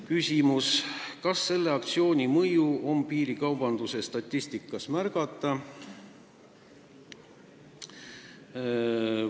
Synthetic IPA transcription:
kysʲimuskɑsːe̞lːe̞ɑk̚t̪sio̞ːnʲimɤjuo̞mpiːɾikɑwb̥ɑnd̪̥use̞st̪ɑt̪ʲˑːisʲt̪ikːˑɑsmærɡ̥ɑt̪ːˑɑ

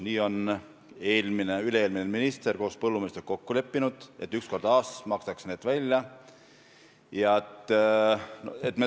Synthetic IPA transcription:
niːo̞n | e̞ːlmineyleeːlmineminist̪erko̞ːspɤlːumist̪ɾko̞kːule̞pːinud̪̥e̞t̪ːˑyksko̞rd̪ɑːsmɑksɑksne̞ːd̪̥vælʲjɑ | jɑet̪ː | noe̞t̪ːˑme

